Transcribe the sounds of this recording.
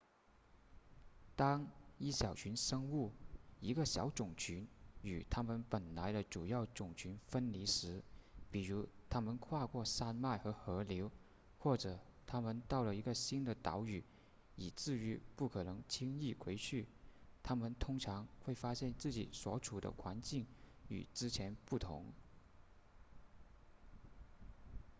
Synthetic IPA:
t̪ɑ˥ŋi˥˩ɕjɑ˨˩ʊt͡ɕʰy˧˥nʂɤ˥ŋu˥˩i˧˥ɡə˧ɕjɑ̰˧˥ʊʈ͡ʂʊ˨˩ŋt͡ɕʰy˧˥ny˨˩t̪ʰa˥mə˨npə˨˩nla˧˥ɪɾə˧ʈ͡ʂu˨˩jɑ˥˩ʊʈ͡ʂʊ˨˩ŋt͡ɕʰy˧˥nfə˥nli˧˥ʂɻ̩˧˥pi˨˩ɻu˧˥t̪ʰa˥mə˨nkʰwa˥˧kwɔ˥˧sa˥˧nma˥˩ɪxɤ˧˥xɤ˧˥ljo˧˥ʊ | xwɔ˥˩ʈ͡ʂɤ˨˩t̪ʰa˥mə˨nt̪ɑ˥˩ʊlə˩i˧˥ɡə˧ɕi˥nd̪ə˨t̪ɑ̰˧˥ʊy˨˩˦ | i˨˩t͡sɹ̩˥˩y˧˥pu˥˩kʰɤ˨˩nɤ˧˥ŋt͡ɕʰi˥ŋi˥˩kʰwe˧˥ɪt͡ɕʰy˥˩t̪ʰa˥mə˨nt̪ʰʊ˥ŋʈ͡ʂʰɑ˧˥ŋxwe˥˩ɪfa˥ɕjɛ˥˧nt͡sɹ̩˥˩t͡ɕḭ˨˩swɔ̰˧˥ʈ͡ʂʰu˨˩d̪ə̰˦kʰwa˧˥nt͡ɕi˥˩ŋy̰˨˩t͡sɻ̩˥t͡ɕʰjɛ˧˥npu˥˩t̪ʰʊ̰˧˥ŋ

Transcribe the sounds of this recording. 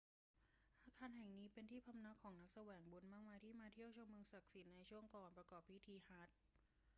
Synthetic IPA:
ʔaː˧kʰaː˧nɦɛ˨˩ŋniː˦˥pe˧nt̪ʰiː˥˩pʰa˧mna˦˥kʰːɔː˩˦ŋna˦˥k̚sa˧wɛː˩˦ŋbu˧nmaː˥˩k̚maː˧jt̪ʰiː˥˩maː˧t̪ʰi˥˩əwt͡ɕʰo˧mɯ˧ŋsa˨˩k̚si˨˩˦nːa˧jt͡ɕʰu˥˩əŋkɔː˨npɾa˧kɔː˨˩p̚ʰːi˦˥t̪ʰiː˧ha˦˥t̪̚

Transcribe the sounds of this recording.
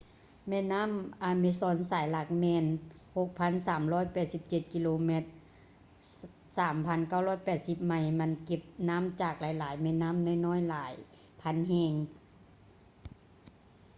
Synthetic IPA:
mɛː˧˥naː˧˥˨mʔaː˧mi˧sɔː˧˥˨nsaː˨˩˦jla˧˩k̚mɛː˧nho˧˦k̚pʰa˧˥˨nsaː˨˩˦mlɔː˧˥˨jpɛː˨˩t̪̚si˧˦p̚t͡ɕe˧˩t̪̚ki˧loː˧me˧t̪̚ | saː˩˦mpʰa˧˥˨nka˧˥˩wlɔː˧˥˨jpɛː˨˩t̪̚si˧˦p̚ma˧˩jma˧˥nke˧˦p̚naː˧˥˨mt͡ɕaː˨˩k̚laː˨˦jlaː˨˦jmɛ˧˥t̪̚naː˧˥˨mna˧˥˨jnɔː˧˥˨jlaː˨˦j | pʰa˧˥˨nhɛː˧˩ŋ

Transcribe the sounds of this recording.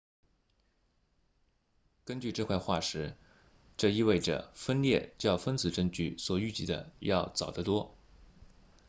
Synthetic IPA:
kə˥nt͡ɕy˥˧ʈ͡ʂɤ˥˧kʰwa˥˧ɪxwa˥˩ʂɻ̩˧˥ | ʈ͡ʂɤ˥˧i˥˧we˥˩ɪʈ͡ʂə̰˩fə˥nljɛ˥˩t͡ɕjɑ˥˩ʊfə˥nt͡sɹ̩˨˩ʈ͡ʂɤ˥˧ŋt͡ɕy˥˩swɔ˨˩y˥˧t͡ɕi˥˩d̪ə̰˧˦jɑ˥˩ʊt͡sɑ˨˩ʊd̪ə˦t̪wɔ˥

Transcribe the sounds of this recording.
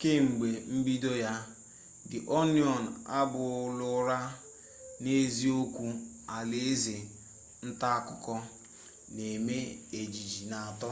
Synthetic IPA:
ke˦ŋ͡m̩˨ɡ͡be˨m̩˦bi˦do˦ja˦ | dɪ˨ʔo˦njɔ˨n̩˨a˦bʊ˨˦lʊ˦ɾa˦ | ne˦zi˦o˦kʷu˦ | a˨le˦e˦ze˨ | n̩˦ta˦a˦˨kʊ˨kɔ˦ | ne˨me˦e˨d͡ʒi˨d͡ʒi˨na˨a˨tɔ˦

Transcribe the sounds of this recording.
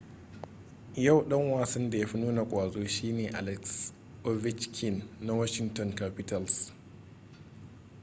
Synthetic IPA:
ja˦˨wɗɐ˦ŋwaː˨sɐ˦nda˨ja˦ɸi˦nuː˦na˨kʷʼaː˨zoː˦ʃiː˦neː˨ʔa˨lɛ˦ks | ʔo˦vɪ˦t͡ʃkʰɪ˦˨nːa˦wɐ˦ʃɪ˦ŋtɔ˨ŋka˦pɪ˦tɐ˨ls

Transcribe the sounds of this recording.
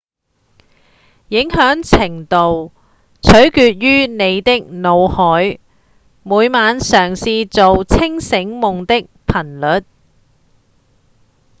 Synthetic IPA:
jɪ˨˥ŋɦœː˨˥ŋt͡sʰɪ˨˩ŋt̪o˨w | t͡sʰɵ˨˥ɥkyː˧t̚ɥyː˥ne˨˧jt̪ɪ˥k̚no˨˧whɔː˨˥j | muː˨˧jmaː˨˧nsœː˨˩ŋsiː˧t͡so˨wt͡sʰɪ˥ŋsɪ˨˥ŋmʊ˨ŋt̪ɪ˥k̚pʰɐ˨˩nlɵ˨˥t̚

